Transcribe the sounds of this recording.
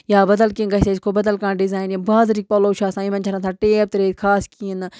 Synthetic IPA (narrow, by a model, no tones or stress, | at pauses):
jaːbɐd̪əlkĩnɡɐɦseːɪskʰoːbɐd̪əlkãːnɖɪzaːjnjabaːzɾiːk̚poːloːʃaːsãːĩmɐ̃nt͡ʃʰɐɾãt̪ʰãːʈeːb̚t̪ɾeːt̪kʰaːskiən